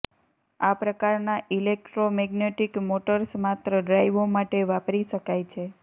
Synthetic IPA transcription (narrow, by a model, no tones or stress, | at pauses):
apɾəkaɾnaʔilek̚ʈɾomɛɡneʈikmoʈəɾsmat̪ɾəɖɾajʋomaʈeʋapɾiʃəkajt͡ʃʰe